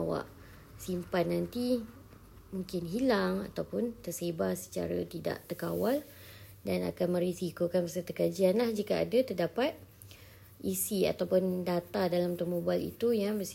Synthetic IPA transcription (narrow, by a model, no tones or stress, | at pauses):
awa̰ʔ | simpanːant̪i | mũŋkɪnɦilaŋa̰t̪awpʊnt̪ərsebasə̥t͡ʃa̰ɾə̰t̪ida̰ʔt̪ərkawal | dana̰kanmə̃ɾisikokanpəsət̪ukad͡ʒianlahd͡ʒikaa̰dat̪ərdapat̪̚ | isia̰t̪awpʊndat̪adalamt̪ɔmobalḭt̪ujaŋməs